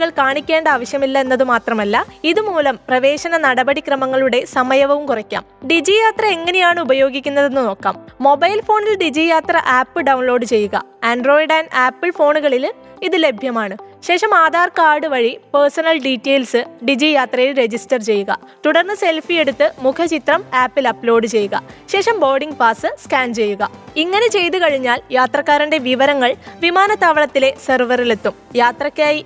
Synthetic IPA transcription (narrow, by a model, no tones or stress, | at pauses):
ɣɐɭkaːɳikʲːe̞ːɳɖɐaːʋɐɕjɐmilːɐenːɐðɨmaːt̪rɐmɐlːɐiðɨmuːlɐmprɐʋe̞ːɕɐnɐnɐɽɐbɐɽikrɐmɐŋːɐɭuɽe̞sɐmɐjɐʋɐʋumkurɐkʲːa̰ːmɖid͡ʑijaːt̪rɐe̞ŋːɐne̞jaːɳɨubɐjo̞ːɡikʲːunːɐðe̞nːɨno̞ːkːa̰ːmːo̞bɐjlfo̞ːɳilɖid͡ʑijaːt̪rɐʔaːpːɨɖɐwnlo̞ːɖɨt͡ɕe̞jːuɣɐ̰ | ɐɳɖro̞ːjɖɐnaːpːɨɭfo̞ːɳuɣɐɭil | iðɨle̞bʱjɐmaːɳɨɕe̞ːʂɐmaːd̪aːrkaːɽɨʋɐɻipersɐnɐlɖiʈːeːlsɨɖid͡ʑijaːt̪rɐjilɾe̞d͡ʑisʈɐrt͡ɕe̞jːuɣɐ̰ | t̪uɽɐrnːɨse̞lfije̞ɽut̪ːɨmukʰɐt͡ɕit̪rɐmaːpːilɐplo̞ːɖɨt͡ɕe̞jːuɣɐ̰ɕe̞ːʂɐmbo̞ːɖiŋɡpaːsɨskaːɳt͡ɕe̞jːuɣɐ̰iŋːɐne̞t͡ɕe̞jt̪ukɐɻiɲːaːljaːt̪rɐkːaːɾinde̞ʋiʋɐɾɐŋːɐɭʋimaːnɐt̪aːʋɐɭɐt̪ːile̞sɐrʋɐrilet̪ːumjaːt̪rɐkːaːji